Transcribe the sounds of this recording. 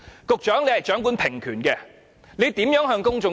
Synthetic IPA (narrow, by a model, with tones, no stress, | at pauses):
kʊ˨k̚t͡ʃœː˨˥ŋle˧˥jhɐ˨jt͡ʃœː˨˥ŋku˨˥npʰɪ˨˩ŋkʰyː˨˩nkɛː˧ | le˨˧jt̪iː˨˥mjœː˨˥ŋɦœː˧ŋkʊ˥ŋt͡ʃʊ˨ŋ